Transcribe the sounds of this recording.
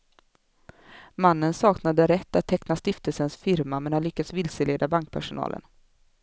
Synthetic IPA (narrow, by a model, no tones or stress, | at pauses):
manːənsɑːknad̪əɾɛt̪ːat̪ʰːɛknast̪ɪft̪əlsənsfɪɾmamɛnhanlʏkːat̪svɪlsəleːd̪abaŋk̚pʰæʂʊnɑ̰ːlʔə̰n